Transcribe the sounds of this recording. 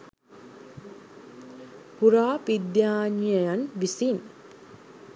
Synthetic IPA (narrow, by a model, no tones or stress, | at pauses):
huɾaːpid̪jaːnijəjanʋisin